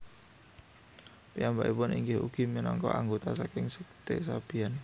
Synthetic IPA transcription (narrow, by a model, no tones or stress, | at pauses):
piamba̰ʔipʊnḭŋɡɪɦṵɡ̥i̤minɔŋkɔ̰ʔaŋɡot̪asakɪŋsəkt̪esab̥i̤an